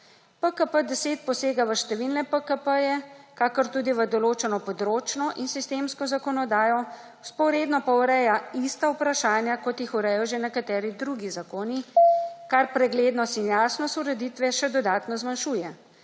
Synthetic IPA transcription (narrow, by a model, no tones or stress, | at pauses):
pəkəpəd̪ɛseːt̪̚pɔseːɡaʋəʃt̪ɛʋilnɛpəkəpəjɛkaːkɔɾt̪uːd̪iʋəd̪ɔloːt͡ʃɛnɔpɔd̪ɾoːt͡ʃnɔʔinsist̪eːmskɔzakɔnɔd̪aːjɔ | spɔɾed̪nɔpawɾɛjaist̪aupɾaʃaːnjakɔt̪jixuɾɛjɔʒenɛkat̪ɛːɾid̪ɾuɡizakoːnikaɾpɾɛɡleːd̪nɔst̪injaːsnɔst̪uɾɛd̪it̪ʋɛʃɛd̪ɔd̪aːt̪nɔzmanʃuːjɛ